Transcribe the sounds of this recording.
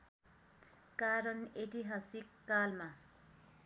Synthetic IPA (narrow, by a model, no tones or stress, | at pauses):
kaɾʌneʈiɦasikːalma